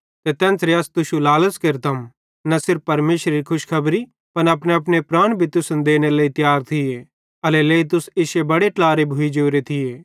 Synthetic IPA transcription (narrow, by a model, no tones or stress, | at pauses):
t̪et̪ɛ̃ːnsɾeɐst̪ʊʃulaːləskɪɾt̪ʰɐm | nɐsɪɾfːɐɾmeːʃɾeɾikʰʊʃkʰɐbɾi | pɐnɐpneɐp̬nepɾaːɽ̃bʱit̪ʊsʊnd̪eːnelɐit̪jaːɾt̪ʰɪje | ɐleleːit̪̬ʊsɪʃebɐɽeʈlaːɾebʱʊid͡ʒoːɾet̪ʰɪjeː